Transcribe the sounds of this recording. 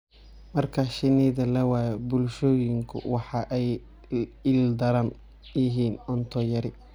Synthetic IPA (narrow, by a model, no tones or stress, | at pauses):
mɐrkʰɐʃɪniːðɐlɐwɑːjɛbʊlʃɔːjɪŋkʰʊ̰wɑħɑʔɛj | ɪld̪ɐɾɐn | ɪɦiːnɔnt̪ʰɔjɐɾɪ